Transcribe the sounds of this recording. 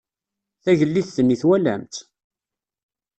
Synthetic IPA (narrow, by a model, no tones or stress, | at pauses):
θæʝəlːiθθənːiθwælæ̰mt̪